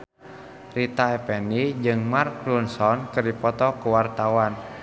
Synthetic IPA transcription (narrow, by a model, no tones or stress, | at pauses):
rit̪aɛpɛnid͡ʒɨŋmarklunsɔnkɨrdipɔt̪ɔkuwart̪awan